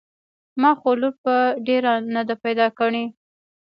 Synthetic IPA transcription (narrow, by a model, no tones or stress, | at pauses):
mɑxoloɾ̚paɖeɾanad̪apajd̪ɑkaɽe